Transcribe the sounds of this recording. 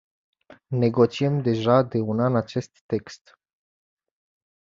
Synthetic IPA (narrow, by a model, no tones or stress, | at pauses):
ne̞ɡo̞t͡ʃiemd̪e̞ʒad̪e̞unanat͡ʃe̞st̪ːe̞kst̪